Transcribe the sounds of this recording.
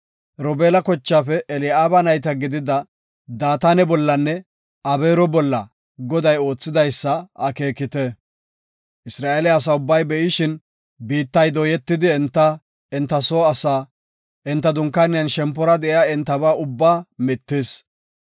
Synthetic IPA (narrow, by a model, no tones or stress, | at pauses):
ɾɔbeːlɐkɔt͡ʃːaːfɛʔɛlɪaːbɐnɐjt̪ɐɡɪd̪ɪd̪ɐ | d̪aːt̪anɛbɔlːɐnːɛ | ɐbeːɾɔbɔlːɐ | ɡɔd̪ɐjo̞ːt͡sːɪd̪ɐjsːɐʔɐke̞ːkːɪt̪ɛ | ʔɪsɾaːeːlɛɐs̬ɐʊbːɐjbɛʔɪʃɪn | biːt̪ːɐjd̪oːjɛt̪ːɪd̪ɪɛnt̪ːɐ | ɛnt̪ːɐsoːɐsaː | ʔɪnt̪ːɐd̪ʊŋkːanɪjɐnʃɛmpːɔɾɐd̪ɛʔɪaɛnt̪ːɐbaːʔʊbːaːmɪt̪ːeːs